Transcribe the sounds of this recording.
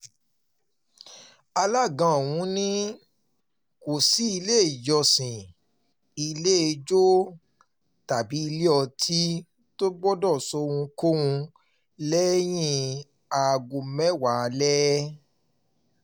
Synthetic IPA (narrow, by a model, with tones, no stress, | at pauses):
a˧la˦˨ɡã˧o˨w̃ũ˨˦nĩ˦ | ko˨si˨˦i˧le˦˨jɔ˧sĩ˨ | i˧le˦e˧d͡ʒo˦ | ta˨bi˨˦i˧le˦ɔ˧tʰi˦ | to˦ɡ͡bɔ˦dɔ˦˨sɔ˧ɾũ˧ko˦wũ˧ | lɛ˦j̃ĩ˦ | a˨ɡũ˧mɛ˦wa˨˧lɛ˦